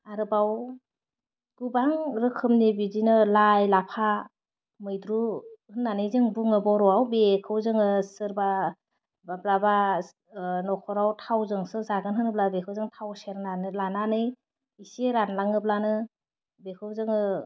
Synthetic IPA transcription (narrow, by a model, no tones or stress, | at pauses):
aɾɯbaw | ɡ̥ubaŋɾɯkʰɯmnibidinɯlajlapʰa | mɯjdɾuhɯnːanɯjzɯŋbuŋɯbɔwɾɔawbekʰɯwzɯŋɯsɯɾba | bablaba | nɔkʰɔɾawtʰawzɯŋsɯzaɡɯnɦɯnɯblabekʰɯwzɯŋtʰawseɾnanɯlananɯj | iseɾanlaŋɯb̚lanɯ | bekʰɯwzɯŋɯ